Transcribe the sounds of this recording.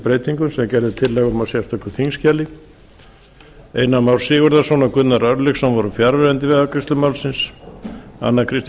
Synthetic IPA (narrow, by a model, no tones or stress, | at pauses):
pɾeːjt̪iŋkʏmsɛmacɛɾðɪt̪ʰɪlːɛɣʏmasjɛst̪œkʏθʰiŋscaːlɪ | eːjnamawlsɪːɣʏɾðasvɔnakʏt̪naɾœɾlɪxsɛmvɔɾʏfjaɾvɛɾɛnt̪ɪvɛðakʰɾɪst̪lʏmawlsɪns | a̰nːakʰɾɪst̪